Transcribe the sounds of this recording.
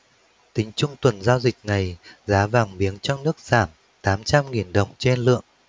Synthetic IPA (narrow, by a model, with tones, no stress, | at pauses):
t̪ï˨˦ŋ̟t͡ɕʊ˧ŋ͡mt̪wə˨˩nzaː˧wzï˨˩k̚na˨˩jzaː˨˦vaː˨˩ŋɓi˨˦ənt͡ɕɔ˧nɨ˦˥ək̚z̥aː˧˩m | t̪aː˨˦mt͡ɕa˧mŋi˨˩nɗə˨˩wŋ͡mt͡ɕe˧nlɨ̰˧˨əŋ